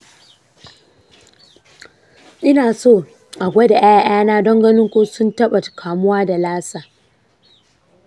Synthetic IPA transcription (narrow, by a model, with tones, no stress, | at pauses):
ʔɪ˦naː˨soː˦˨ | ʔa˨ɡʷɐ˦da˨ʔa˦ja˦ʔaː˦naː˦dɔ˦ŋɡɐ˦nɪ˦ŋkʷoː˦sʊ˦ntɐ˦ɓa˨kʰaː˨mʊ˦waː˦da˨laː˦saː˨